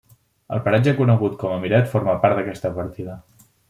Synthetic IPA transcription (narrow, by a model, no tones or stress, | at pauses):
ə̰lˠpəɾad͡ʒəkunəɣut̪kɔməmiɾɛt̪foɾməpaɾt̪əkɛst̪əβəɾt̪iðə